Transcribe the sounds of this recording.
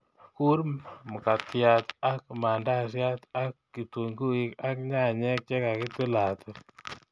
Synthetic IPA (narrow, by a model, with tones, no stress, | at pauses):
ku˦ɾmu˨ka˨tja˦t̪a˦k̚ma˨nda˦s̬ja˦t̪a˦kːi˨tu˨ŋɡu˦i˦ka˦kɲa˦˨ɲɛ˦k̚t͡ʃɛ˦ka˨ki˦t̪u˦la˨t̪ʰɨ˦